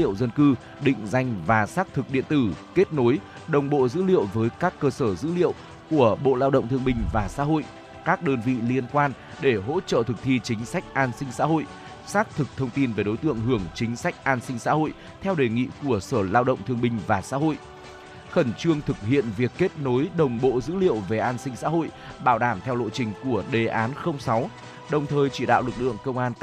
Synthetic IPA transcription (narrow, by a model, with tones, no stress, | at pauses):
ḭ˧ə˨wzə˧nkɨ˧ | ɗḭ̈˧˨ŋ̟za˧jŋ̟vaː˨˩saː˦˥k̚t̪ʰɨ˨˩k̚ɗḭ˧˨ənt̪ɨ˧˩ke˦˥t̚no˨˦j | ɗə˨˩wŋ͡mɓo̰˧˨zɨ̰˧˥lḭ˧˨əwvəː˨˦jkaː˦˥kːəː˧səː˧˩zɨ̰˧˥lḭ˧˨əw | ku˧˩əɓo̰˧˨laː˧wɗə̰˧˨wŋ͡mt̪ʰɨ˧əŋɓï˧ŋ̟vaː˨˩sa̰ː˧˥ɦo̰˧˨j | kaː˦˥k̚ɗəː˧nvḭ˧˨li˧ənkwaː˧n | ɗe˧˩ɦo̰˧˥t͡ɕə̰ː˧˨t̪ʰɨ˨˩k̚t̪ʰi˧t͡ɕï˨˦ŋ̟sa˦˥jk̟̚ʔaː˧nsï˧ŋ̟sa̰ː˧˥ɦo̰˧˨j | saː˦˥k̚t̪ʰɨ˨˩k̚t̪ʰə˧wŋ͡mt̪i˧nve˨˩ɗo˨˦jt̪ɨ̰˧˨əŋɦɨ˧˩əŋt͡ɕï˨˦ŋ̟sa˦˥jk̟̚ʔaː˧nsï˧ŋ̟sa̰ː˧˥ho̰˧˨j | t̪ʰɛ˧wɗe˨˩ŋḭ˧˨ku˧˩əsəː˧˩laː˧wɗə̰˧˨wŋ͡mt̪ʰɨ˧əŋɓï˧˩ŋ̟vaː˨˩sa̰ː˧˥ɦo̰˧˨j | xə˧˩nt͡ɕɨ˧əŋt̪ʰɨ˨˩k̚hḭ˧˨ənvi˨˩əkːe˦˥t̚no˨˦jɗə˨˩wŋ͡mɓo̰˧˨zɨ̰˧˥lḭ˧˨əwve˨˩ʔaː˧nsï˧ŋ̟sa̰ː˧˥ɦo̰˧˨jɓaː˧˩wɗaː˧˩mt̪ʰɛ˧wlo̰˧˨t͡ɕï˨˩ŋ̟ku˧˩əɗe˨˩ʔaː˨˦nxə˧wŋ͡msa˨˦w | ɗə˨˩wŋ͡mt̪ʰəː˨˩jt͡ɕi˧˩ɗa̰ː˧˨wlɨ˨˩k̚lɨ̰˧˨əŋkə˧wŋ͡mʔaː˧n